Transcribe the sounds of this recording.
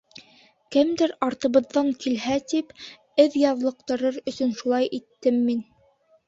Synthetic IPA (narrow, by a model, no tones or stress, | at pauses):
kɘmd̪ɘɾɑɾt̪ɤ̆βɤ̆ðːɑŋkilɦæt̪ip | ɘðjɑðlˠɤ̆q̚t̪ɤ̆ɾɤɾɵ̆sɵnʃulˠɑjʔit̪ːɘmːin